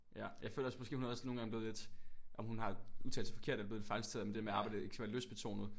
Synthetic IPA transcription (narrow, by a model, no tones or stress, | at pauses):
jæjɑ̈ɪfø̰ːlɐɒ̽smɒ̽sɡ̥e̝̰ːhunhæɒsno̝ːn̩ɡŋble̝ðˠle̝d̥ʔɒ̽mhunɦɑ̈uðˠt͡sʰɛ̰ːlsʰfɒ̥̽kʰe̝ɐ̰d̥elɐble̝ðˠe̥fɑlst͡sʰeð̰ˠmendeɐmeɑ̈b̥ɑ̈ɪ̰d̥e̝ɡ̥kʰæʋæɐløsd̥b̥e̝t͡sʰo̝̰ːnð̩ˠ